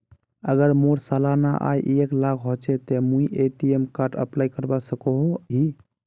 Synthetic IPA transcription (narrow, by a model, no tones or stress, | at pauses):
əɡəɾmoɾsalanaʔa̰jʔeklakʰɦot͡ʃʰɛt̪emũiʔeʈiemkaɾʈə̰plajkəɾbasəkoɦoɦi